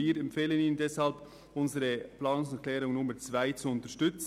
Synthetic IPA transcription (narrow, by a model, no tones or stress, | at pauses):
iːɾɛmpfeːləniːnəndɛshɑlb | ʔʊnzəɾəplɑːnʊŋsɛklɛːɾʊŋnʊməɾt͡svaɪt͡suʊntəʃtʏt͡s